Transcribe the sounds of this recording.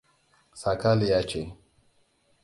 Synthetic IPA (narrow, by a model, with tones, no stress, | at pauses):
sa˨ka˦li˨ja˦t͡ʃe˨